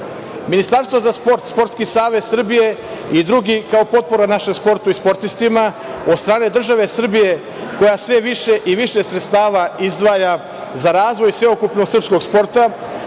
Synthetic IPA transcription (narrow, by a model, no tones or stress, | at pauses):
minist̪aɾst̪vozaspo̞ɾt̪spo̞ɾt̪skisaːʋet̪sr̩bije̞id̪ɾuɡikao̞po̞t̪̚po̞ɾanaʃe̞mspo̞ɾt̪uispo̞ɾt̪ist̪ima | o̞d̪st̪ɾaːne̞d̪r̩ʒaʋe̞sr̩bije̞ | ko̞jasʋe̞ʋiʃe̞ʔiʋiʃe̞sɾe̞t̪st̪aːʋaizd̪ʋaːja | zaɾaːzʋo̞jsʋe̞okupno̞ɡsrpsko̞ɡspo̞ɾt̪a